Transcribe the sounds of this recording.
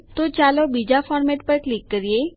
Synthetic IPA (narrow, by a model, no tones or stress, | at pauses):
t̪ot͡ʃalobid͡ʑafɔːɾmeʈpəɾklikːəɾije